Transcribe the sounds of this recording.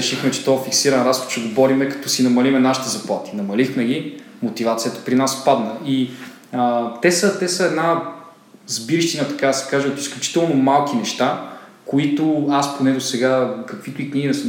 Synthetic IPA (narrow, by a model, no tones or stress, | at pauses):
ɾɛʃixmɛt͡ʃɛ̥t̪ɔɛfiksiɾɐnɾasxo̥t̪t͡ʃɛɡobɔɾimɛkɐ̥t̪ɔsinɐmɐlimɛnaʃi̥t̪ɛzɐplˠat̪i̥nɐmɐlixmɛɡ̟i | mot̪ivat̪sijət̪ɐ̥pɾinaspad̪nəi | ət̪ɛsət̪ɛsəɛd̪na | zbiɾiʃt̪inət̪ɐ̥kad̪ɐsɛ̥kaʒɛot̪isklʲut͡ʃi̥t̪ɛlˠnomalˠkinɛʃt̪akoit̪ʊasponɛd̪osɛɡakɐkvit̪ʊikniɡinɛs